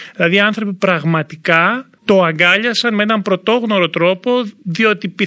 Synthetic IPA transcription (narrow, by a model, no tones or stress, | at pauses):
ðilɐðiɐnθɾo̞pipɾɐɣmɐt̪ikɐ | t̪o̞ɐŋɡɐʎɐsɐnmeenɐmpɾo̞t̪o̞ɣno̞ɾo̞t̪ɾo̞po̞ðio̞t̪ipi